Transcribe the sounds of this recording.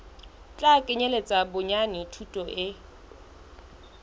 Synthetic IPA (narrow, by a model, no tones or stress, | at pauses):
t͡ɬʼakʼɪɲelet͡sʼabʊɲanitʰutʼɔʔɪ